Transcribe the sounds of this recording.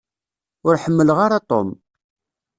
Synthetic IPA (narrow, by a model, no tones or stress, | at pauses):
ʊɾħəmːələʁaɾat̪ˤo̰m